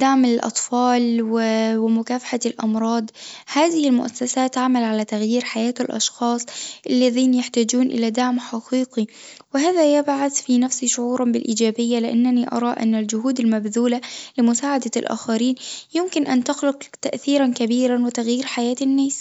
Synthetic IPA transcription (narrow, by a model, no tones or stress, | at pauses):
d̪aʕmalʔɑ̰t̪ˤfɑːlwɪwɪmʊkaːfḁħalʔɑ̰mɾˤɑːd̪ˤhaːðɪhɪlmʊʔasːasaːt̪ːaʕmalʕalat̪aɣjiːɾħajaːt̪alʔɑ̰ʃxɑːsˤʔalːaðiːnjaħt̪aːd͡ʒuːnʔɪ̰lad̪aʕmħɑqiːqi | wɪɦaːðajɪbʕaθfinafsiʃʊʕuːɾˤɑnbɪlʔiːd͡ʒaːbɪjːalɪʔanːaniʔɑ̰ɾˤɑːʔɪ̰nːald͡ʒʊhuːd̪ɪlmabðuːlalɪmʊsaːʕad̪alʔa̰ːxaɾiːnjɪmkɪnʔant̪ʊxlʊqt̪aʔθiːɾankabiːɾanwɪt̪aɣjiːɾħajaːt̪ɪnːaːs